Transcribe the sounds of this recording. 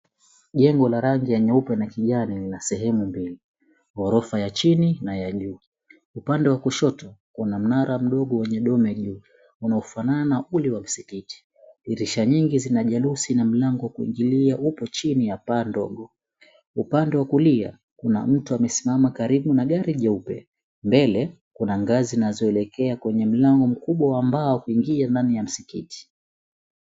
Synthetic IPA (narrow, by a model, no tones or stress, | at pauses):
ʄɛŋɡɔlaɾaŋɡijaɲaupɛnakiʄanilinasɛɦɛmumbili | hɔɾɔfajat͡ʃininajaʄuː | upandɛwakuʃɔtɔkunam̩naɾam̩ɗɔɠɔwɛɲɛɗɔmɛʄuː | unaɔfananaʔuliwam̩sikiti̥ | iɾiʃaɲiŋɡizinaʄalusinam̩laŋɡɔwakuḭŋɡiliaʔupɔt͡ʃinijapandɔ̰ɠɔ | upandɛwakulia̰ | kuna̰m̩tuamɛsimamakaɾiɓunaɠaɾiʄaupɛ̰ | mbɛlɛ | kunaŋɡazinazɔɛlɛkɛakwɛɲɛm̩laŋɡɔm̩kuɓwawambaɔkuiŋɡiandanijam̩sikiti̥